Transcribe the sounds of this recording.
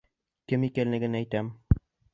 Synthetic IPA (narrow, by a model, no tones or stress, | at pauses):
kɘmikʲælnɘ̆ɡɘnæjt̪æm